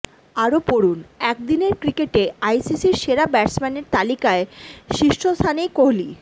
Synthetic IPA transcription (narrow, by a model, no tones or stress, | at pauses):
aɾopoɾunɛk̚d̪ineɾkɾikeʈeajsisiɾʃeɾabɛɾsmɛneɾt̪alikaeʃiʃʈʰost̪ʰanejkoɦli